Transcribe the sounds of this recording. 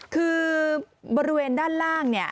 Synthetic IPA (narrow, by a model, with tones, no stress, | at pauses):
kʰɯː˧ | bɔː˧ɾi˦˥weː˧ndaː˥˩nɾaː˥˩ŋni˥˩ɐ